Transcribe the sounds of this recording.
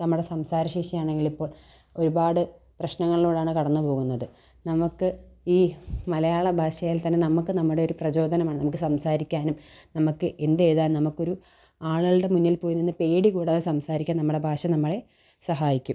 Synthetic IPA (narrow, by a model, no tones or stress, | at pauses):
nɐmːuɽe̞sɐmsaːɾɐɕeːʂɐmaːɳeŋɡiɭipːo̞ːɭ | o̞ɾubaːɽɨ | prɐɕnɐŋːɐɭiloːɽaːɳɨkɐɽɐnːupo̞ːɣunːɐðɨ | nɐmukːɨiːmɐlɐjaːɭɐbʱaːʂɐjaːlt̪ɐnːenɐmukːɨnɐmːuɽe̞oɾuprɐd͡ʑo̞ːd̪ʱɐnɐmaːɳɨnɐmukːɨsɐmsaːɾikʲːaːnumnɐmukːɨʔe̞nd̪eɻðaːnnɐmukːo̞ɾu | aːɭɨɣɐɭɨɽe̞munːilpoːjunːinːɨpe̞ːɽikuːɽaːðesɐmsaːɾikʲːaːnɐmːuɽe̞bʱaːʂɐnɐmːɐɭe̞ | sɐɦaːjikʲːum